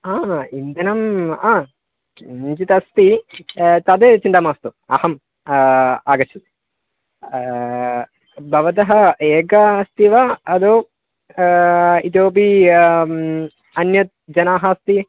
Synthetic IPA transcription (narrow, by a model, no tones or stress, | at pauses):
aːind̪ɐnɐmaː | ɲd͡ʒit̪ɐst̪i | t̪aːd̪eːt͡ʃint̪aːmaːst̪uɐ̰hɐm | aːɡɐt͡ʃʰut̪ | bʱɐʋɐt̪̬ɐɦɐeːɡɐst̪iʋɐɐd̪oː | it̪joːbi | ɐnjɐt̪̚d͡ʒɐnaːɦɐst̪i